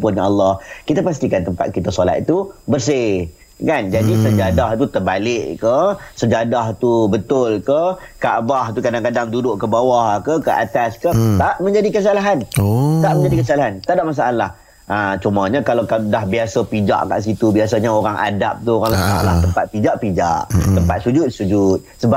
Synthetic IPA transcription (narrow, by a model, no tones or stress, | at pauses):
pʊnɲaɑlːɑhkit̪apas̬t̪ikant̪əmpa̰t̪̚kit̪asola̰t̪̚t̪ubərs̬ɪ | kand͡ʒadisəd͡ʒadaɦt̪ut̪ərbalɪʔkəsəd͡ʒadaɦt̪ubət̪ʊlkəka̰ʔbaht̪ukadaŋkadaŋdudʊʔkəbawaɦakəkəʔa̰t̪askət̪aʔmə̃ɲd͡ʒadikəs̬alaɦant̪aʔmə̃ɲd͡ʒadikəs̬alaɦant̪aʔdaʔmas̬aʔalah | ət͡ʃuməɲakalawkadaɦbiasapid͡ʒa̰ʔka̰ʔs̬it̪ubias̬aɲəoɾaŋʔa̰da̰p̚t̪uoɾaŋlət̪a̰ʔla̰ht̪əmpat̪̚pid͡ʒaʔpid͡ʒa̰ʔt̪əmpat̪̚sud͡ʒʊt̪̚sud͡ʒut̪̚səba